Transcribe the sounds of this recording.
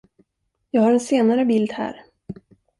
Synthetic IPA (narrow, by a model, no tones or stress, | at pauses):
jɑːɡhaɾɛnseːnaɾəbɪld̪hæ̰ːɾ